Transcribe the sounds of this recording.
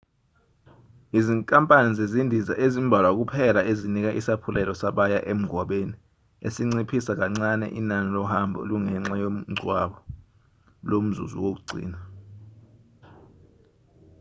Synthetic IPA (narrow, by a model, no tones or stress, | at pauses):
iziŋkʼampʼanizezindʱizaʔezimbʱalwak̬upʰɛlaezinik̬aʔisapʰulɛlɔsaɓajaʔem̩ɡʱwaɓeni | esiŋ͡ǀipʰisak̬aŋ͡ǀanɛ̰ʔinanilɔhambʱɔ̰luŋɛŋ͡ǁajom̩ŋ͡ǀʱwaɓɔ | lom̩zṵzṵwok̬uɡ͡ǀʱḭːna